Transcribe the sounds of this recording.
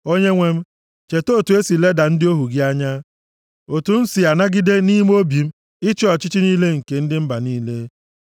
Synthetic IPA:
o˦ɲe˦ŋʷe˦m̩˦ | t͡ʃe˨toː˦˨tu˨e˦si˨le˦da˨n̩˦dɪ˦o˦ɦu˨ɡɪ˦a˦ɲa˦ | o˨tu˨n̩˦si˨a˨na˦ɡɪ˦de˦ni˦m˦o˦bi˨m̩˦ | ɪ˦t͡ʃi˦ɔ˨t͡ʃɪ˦t͡ʃi˦niː˦le˦ŋ̩˨ke˨n̩˦dɪ˦m̩˦ba˨niː˦le˦

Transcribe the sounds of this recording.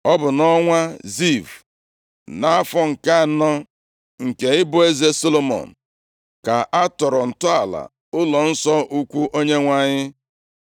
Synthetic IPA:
ɔ˦bʊ˨nɔ˦ŋʷa˦zi˦˨v | na˦a˦fɔ˦ŋ̩˨ka˦˨˦nɔ˦ | ŋ̩˨ke˨ɪ˦bʊ˨˦e˦ze˦so˦lo˦mɔ̰˨n̩˨ | ka˨ʔa˦tɔ˨ɾɔ˨n̩˨tʊ˦a˨la̰˨ | ʊ˦lɔ˨n̩˦sɔ˦ʔu˦kʷu˦ʔo˦ɲe˦ŋʷa˦ɲɪ˦

